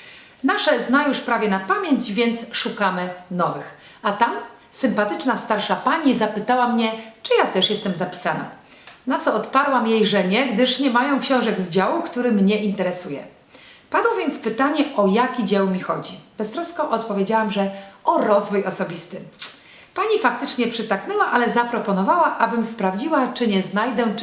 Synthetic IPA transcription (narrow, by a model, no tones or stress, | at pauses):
naʂɛznajuʂpɾavʲjɛnapamʲjeɲd͡ʑvʲjɛnt̪sʂukamɘnɔvɘx | at̪am | sɘmpat̪ɘt͡ʂnast̪aɾʂapaɲizapɘt̪awamɲɛt͡ʂɘjat̪ɛʂjɛst̪ɛmzapʲi̥sana̰ | nat̪sɔɔt̪paɾwamjejʐɛɲɛɡd̪ɘʂɲɛmajɔ̃w̃kɕɔ̃w̃ʐɛɡzd͡ʑawukt̪uɾɘmɲɛʔint̪ɛɾɛsujɛ̰ | pad̪wɔvʲjɛnt̪spɘt̪aɲɛʔɔjakʲid͡ʑɛwmʲixɔd͡ʑib̥ɛst̪ɾɔskɔʔɔt̪pɔvʲjed͡ʑawamʐɛɔɾɔzvujɔsɔbʲist̪ɘ | paɲifak̚t̪ɘt͡ʂɲɛpʂɘt̪aknɛwaʔalɛzapɾɔpɔnɔvawaʔabɘmspɾavd͡ʑiwat͡ʂɘɲɛznajd̪ɛ